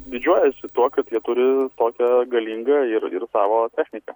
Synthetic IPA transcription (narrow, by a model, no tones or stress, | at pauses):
d̪ʲɪd͡ʒʲuɔjɛsʲɪt̪uɔkɐt̪jiɛt̪ʊɾʲɪt̪oːkʲɛɡɐlʲiːŋɡɐɪɾɪ̰ɾsɑːʋoːt̪ʲæːxʲnʲɪkɐ